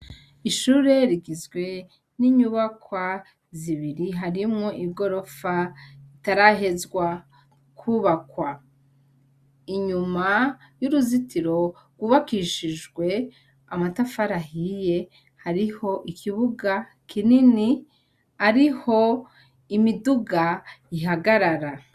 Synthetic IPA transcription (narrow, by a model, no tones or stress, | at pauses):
iʃuɾe̞ɾiɡizɡwe̞ | niɲuːβakwa | ziβiɾiɦaɾimŋo̞ʔiɡo̞ɾo̞faitaɾaɦe̞zɡwa | kʰuβakwa | iɲuma | juɾuzitiɾo̞ | ɡwuβakiʃid͡ʒɡwe̞ | amatafaɾahije̞ | haɾiho̞ʔikʰiβuɡa | kʰinini | aɾiho̞ | imiduɡajiɦaɡaɾaɾa